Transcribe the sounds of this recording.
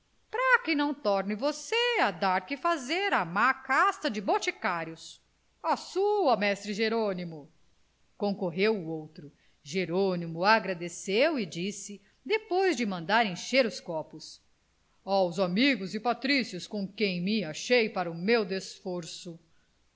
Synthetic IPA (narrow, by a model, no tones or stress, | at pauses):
pɾakɪnɐ̃w̃t̪ɔɾnɪvosead̪aɾkɪfazeɾamakast̪ɐd͡ʒɪbot͡ʃikaɾjʊs | asuɐmɛst̪ɾɪʒeɾonimʊ | kõkoɦewuowt̪ɾʊ | ʒeɾonimʊaɡɾad̪esewɪd͡ʒisɪ | d̪epojzd͡ʒɪmɐ̃nd̪aɾẽʃeɾʊskɔpʊs | awzamiɡʊzɪpat̪ɾisjʊskõkẽj̃mɪaʃejpaɾɐʊmewd̪esfoɾsʊ